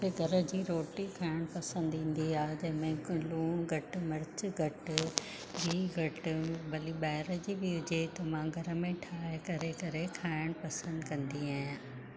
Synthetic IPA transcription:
eɡʱɐɾə̆d͡ʑiːɾoːʈikʰaːɪɽ̃pɐsə̃nd̪ĩːn̆d̪iaːed͡ʑɐ̃ɦɪ̃mẽluːɽ̃ɡʱɐʈ̆mɐɾɪt͡ɕɡʱɐʈ | d͡ʑiːɡʱɐʈɪ̆bɐlibaːɪɾəd͡ʑibɪɦʊd͡ʑet̪ɐʋãɡʱɐɾə̆mẽʈʰaːkɐɾekɐɾekʰaːɪɽ̃pɐsə̃nd̪kɐ̃nd̪iaːɦɪ̃

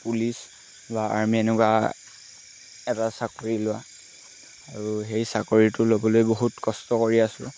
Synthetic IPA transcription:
pulis | baa̰ɹmiɛnɛkwa | ɛtasakoɹilʊwa | aɹuɦejsakoɹitʊlobɔlojboɦutkɔstɔkoɹiasʊ

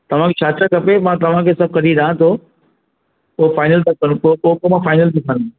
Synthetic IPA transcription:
t̪ɐʋ̤ãkʰet͡ɕʰaːt͡ɕakɐpemãːt̪ɐʋ̤ãkʰeːsɐb̚kɐɾiɗãːt̪ʰo | ʊɦefaːɪnəlt̪akɐnkooɦkomãfaːɪnəlt̪ʰikɐn

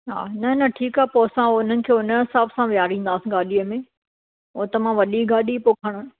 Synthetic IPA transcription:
ɦa̰ːnɐnɐʈʰiːkaːeposãʊn̤ənɪ̆kʰeːʊnəɦɪsaːbsãʋijaːɾĩːn̆d̪aːsĩɡaːɗiəmẽː | ʊ̃t̪ɐmãʋɐɗiɡaːɗipoːkʰəɽ̃ən̆

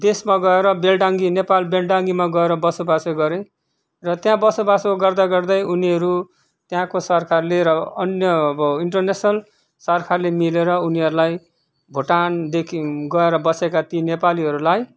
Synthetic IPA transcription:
d̪esmaɡʌeɾʌbelɖaŋɡinepalbelɖaŋɡimaɡʌeɾʌbʌsobasɡʌɾe | rʌt̪jãbʌsobasoɡʌrd̪aɡʌrd̪ʌjuniɦʌɾu | t̪jãkosʌrkʰarleɾʌʌnjʌbʌiɳʈʌrnesnʌl | sʌrkʰarlemileɾʌuniɦʌɾulaj | bʱoʈand̪ekʰiɡʌeɾʌbʌsekat̪inepaliɦʌɾulaj

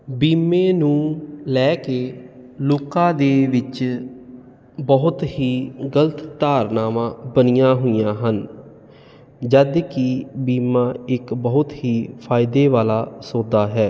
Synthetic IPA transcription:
biːmeːnũːlɛːkeːloːkãːd̪eːʋɪt͡ʃ | bəɦʊt̪ɦiːɡələt̪ːaːɾnaːʋãːbənɪjãːɦʊijãːɦən | d͡ʒəd̪kɪbiːmãːɪkbəɦʊt̪ɦiːpʰaːɪd̪eːʋaːlaːsoːd̪aːɦɛː

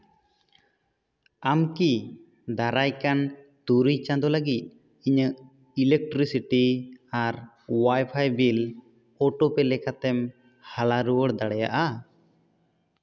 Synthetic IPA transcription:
amki | d̪aɾajkan | t̪uɾijt͡ʃãd̪ɔləɡit̪̚ˀ | iɲəʔ | ilek̚ʈɾisiʈiaɾ | wajpʰajbil | ɔʈɔpɛlɛkat̪ɛm | halaɾuwəɽd̪aɽɛja̰ʔa

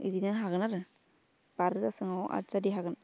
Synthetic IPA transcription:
ḭdinaɦaɡɯnaɾɯ | b̥aɾɯzasɯŋawʔa̰zadiɦaɡɯn

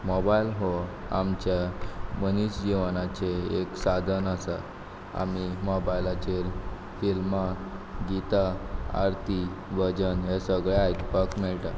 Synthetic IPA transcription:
mɔbajlɦo | amt͡ɕjaməniɕd͡ʑiʋanat͡ɕeeksad̪ʱənəsa | a̰mimɔbajlat͡ɕeɾ | filmaɡit̪aa̰ɾt̪ʰiʋəd͡ʑənɦesəɡɭeajt̪pəkmeɭʈa

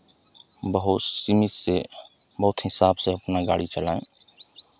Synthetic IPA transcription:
bəɦʊsimɪse | bəɦʊt̪ɦɪsaːbseɐpnaɡaːɽit͡ʃəlaːḛ̃ː

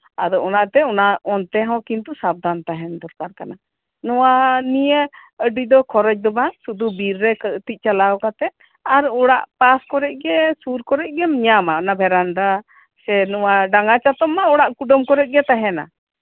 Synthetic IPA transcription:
ad̪ɔʔɔnaʔt̪ɛɔnaɔnt̪ɛɦɔ̃kint̪usab̚d̪ant̪aɦɛnd̪ɔɾkaɾkana | nɔwanijə | əɖid̪ɔkʰɔɾɛt͡ʃ̚d̪ɔbasud̪ubiɾːɛkt̪ic̪̚ˀt͡ʃalaɔkat̪ɛ | aɾɔɽaʔpaskɔɾɛc̚ˀɡɛsuɾkɔɾɛc̚ˀɡɛmiɲamaɔnabʱɛɾand̪a | sɛnɔwaɖaŋɡat͡ʃat̪ɔmːaɔɽaʔkuɖɔmkɔɾɛc̪̚ɡɛt̪aɦɛna̰

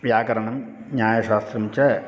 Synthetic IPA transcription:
ʋjaːkɐɾɐɳɐm | ɲaːjɐɕaːst̪ɾɐmt͡ɕːɐ

